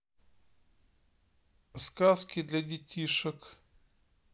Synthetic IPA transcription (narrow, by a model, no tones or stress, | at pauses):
skaskʲɪd̪lʲɐdʲɪtʲiʂək